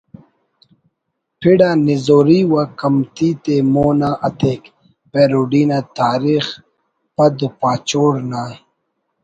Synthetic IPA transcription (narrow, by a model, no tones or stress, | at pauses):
pʰiɽaːnizoːɾiwakɐmt̪iːt̪emoːnaʔɐt̪ʰeːk | peːɾuɖiːnat̪aːɾix | pɐd̪upaːt͡ɕoːɽna